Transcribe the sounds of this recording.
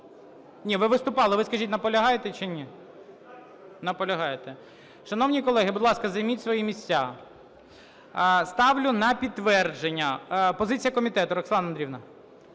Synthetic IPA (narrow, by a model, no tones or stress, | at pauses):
nʲiʋɪʋɪst̪ʊpɑlˠɪʋɪskɐʒʲitʲnɐpɔlʲɐɦɑjet̪ɛt͡ʃɪnʲi | nɐpɔlʲɐɦɑjet̪ɛ | ʃɐn̪ɔwnʲikɔlˠɛɦɪbʊd̪lˠɑskɐzɐjmʲitʲsʋɔjimʲisʲt͡sʲːa | st̪ɑʋlʲʊnɐpʲit̪ːʋɛrd͡ʒenʲːɐpɔzɪt͡sʲijɐkɔmʲit̪ɛt̪ʊɾɔksˠɑnɐnd̪ɾʲiwnɐ